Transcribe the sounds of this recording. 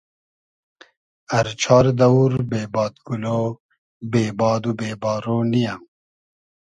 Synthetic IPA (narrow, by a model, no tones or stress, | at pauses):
ɐɾt͡ɕʰɑːɾd̪ɐuɾbeːbɑːd̪ɡulo | beːbɑːd̪ubeːbɑːɾonija